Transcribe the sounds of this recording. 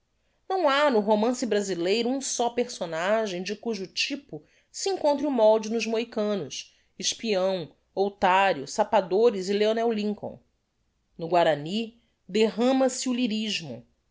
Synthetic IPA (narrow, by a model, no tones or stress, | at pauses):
nɐ̃w̃anʊɦomɐ̃sɪbɾazilejɾʊũsɔpeχsonaʒẽj̃d͡ʒɪkuʒʊt͡ʃipʊ | siĩŋkõnt̪ɾɪumɔwd͡ʒɪnʊʒmoikɐ̃nʊs | ɪʃpiɐ̃w̃ | owt̪aɾjʊsapad̪oɾɪzɪleonɛwlĩŋkõ̰w̃ | nʊɡwaɾani | d̪eɦɐ̃mɐsɪuliɾiʒmʊ̰